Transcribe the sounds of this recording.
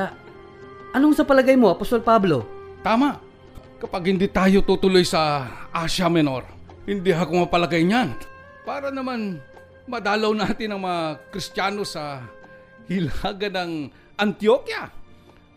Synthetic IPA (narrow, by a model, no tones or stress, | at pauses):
a | ʔɐnoŋsɐpɐlɐɡajmoʔɐpost̪olpablo̞t̪aːmaʔ | kɐpaɡ̚hɪnd̪iːt̪aːjot̪uːt̪ʊlojsɐʔaʃɐmɛno̞ɾ | hɪnd̪iɦakoŋmɐpɐlɐɡajɲan | paːɾɐnɐman | mɐd̪aːlɐwnaːt̪ɪnɐŋmɐŋakɾɪst̪jaːno̞sɐ | hɪlaɡɐnɐŋ | ʔɐnt̪jokja